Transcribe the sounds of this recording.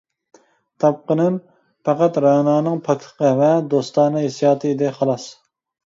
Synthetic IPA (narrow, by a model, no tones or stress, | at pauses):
t̪ʰɑp̚qənɨn | pæqæt̪ɾɑnɑːnɨŋpʰɑk̚ʲt̪ʰə̥qʰəvɛd̪ost̪ɑːnɨɦesjɑːt̪ʰɨid̪ɪχɑlˠɑs